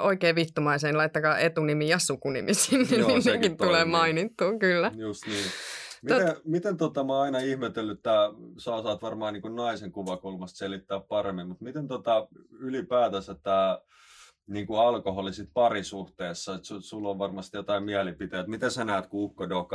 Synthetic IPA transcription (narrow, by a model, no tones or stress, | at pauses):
oikeːʋʋit̪ːumɑiseːnlɑit̪ːɑkɑːʔet̪unimijɑsukunḭmisiːnnininnekint̪uleːmɑinit̪ːuːkylːæjust̪niːmiot̪emit̪ent̪ot̪ɑmɑɑinɑihmet̪elːyt̪ːæsɑosɑːt̪ʋɑrmɑːnniːŋkunnɑiseŋkuʋɑkulmɑst̪selit̪ːæːppɑremːimmut̪mit̪ent̪ot̪ɑylipæːt̪æsæt̪ːæː | niːŋkuɑlkoholisit̪̚pɑrisuht̪eːsːɑet̪susulːoʋʋɑrmɑst̪jot̪ɑimiælipit̪æjæt̪mit̪esænæːt̪kuukːodokɑ